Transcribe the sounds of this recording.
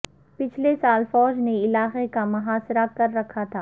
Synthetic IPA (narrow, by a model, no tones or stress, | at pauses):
pɪt͡ʃʰlesaːlfɔːd͡ʒneɪlaːqekamɐɦaːsɾakɐɾːɐkʰat̪ʰaː